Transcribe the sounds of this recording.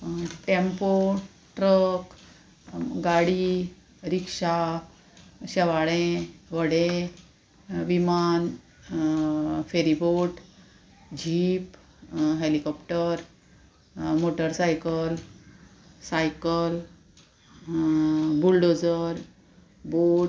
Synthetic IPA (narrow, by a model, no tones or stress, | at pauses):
ʈempo | ʈɾək | ɡaɽi | ɾikʂa | ɕɛʋaɭẽʋəɽẽ | ʋiman | feɾiboʈ | d͡ʑʱiːp | ɦelikɔpʈəɾ | moʈəɾsajkəl | sajkəl | bulɖod͡zəɾ | bo